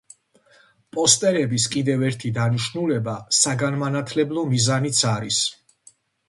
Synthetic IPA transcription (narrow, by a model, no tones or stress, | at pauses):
pʼɔst̪ʼɛɾɛbiskʼid̪ɛvɛɾt̪ʰid̪aniʃnulɛbasaɡanmanat̪ʰlɛblˠɔmizanit̪sʰaɾis